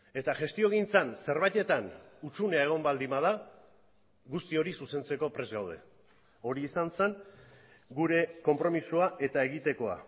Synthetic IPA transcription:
e̞t̪aʝe̞st̪io̞ɣ̞int͡sanse̞ɾβajt̪e̞t̪anut͡suneaeɣ̞o̞mbald̪imað̞a | ɣust̪io̞ɾisuse̞nt͡se̞ko̞pɾe̞zɣawð̞e̞̰ | o̞ɾiːsanseŋ | ɡuɾe̞ko̞mpɾo̞misuaʔe̞t̪ae̞ɣ̞it̪e̞ko̞a̰

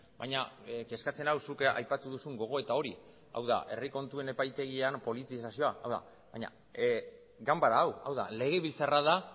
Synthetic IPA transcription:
bajɲake̞skat͡se̞nawsuka̰jpat̪uðusuŋɡo̞ɣ̞o̞e̞t̪ao̞ɾi | a̰wða̰ʔe̞̰riko̞nt̪ue̞ne̞pajt̪e̞ɣ̞ianpo̞lit̪isasio̞aʔawða̰ | βaɲa̰ | ɡambaɾaːwawða̰le̞ɣe̞βilt͡saraða

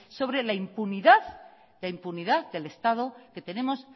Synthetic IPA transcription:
so̞βɾe̞laimpuniðað | ðaimpuniðaððe̞le̞st̪aðo̞ke̞t̪e̞nẽ̞mo̞s

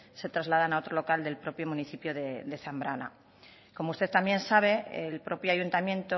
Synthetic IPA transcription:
se̞t̪ɾazlað̞anao̞t̪ɾolokald̪e̞lpɾo̞pjomũniθipjoðed̪e̞θambɾana̰ | ko̞moust̪e̞ðt̪ambje̞nsaβe̞elpɾo̞pjoaʝunt̪amjẽ̞nt̪o

